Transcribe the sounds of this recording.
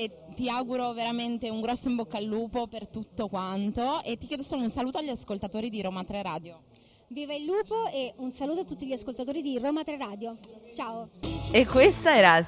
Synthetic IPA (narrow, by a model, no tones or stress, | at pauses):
e | t̪ːiaɡuɾoveɾament̪euŋɡɾɔsːoimbokːaːlːuːpopert̪ut̪ːokwant̪oet̪ːikjeːd̪osoːlounsaluːt̪oaʎːiaskolt̪at̪oːɾid̪iɾoːmat̪ɾeɾaːd̪jo | viːvailːuːpoeunsaluːt̪oat̪ːut̪ːiʎiaskolt̪at̪oːɾid̪iroːmat̪ɾeɾaːd̪jot͡ʃaːoekːwest̪aɛːɾa